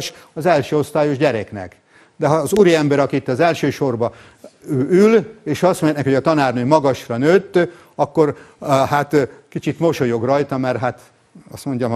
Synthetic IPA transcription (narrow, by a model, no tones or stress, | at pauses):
ʃɒzɛlʃøːo̞st̪aːjo̞ʒɟɛɾɛknɛ̰k | d̪ɛɦɒːzuːɾiɛmbɛɾɒkiit̪ːɒzɛlʃøːʃo̞rbɒ | øːʔyleːʃɒst̪moɲnɛkhoɒt̪ɒnaːrnøːmɒɡɒʃrɒnøːt̪ː | ɒkːo̞rhat̪kit͡ʃit̪mo̞ʃo̞jo̞ɡrɒjt̪ɒmɛrɦaːt̪ | ɒst̪mo̞ɲɟɒm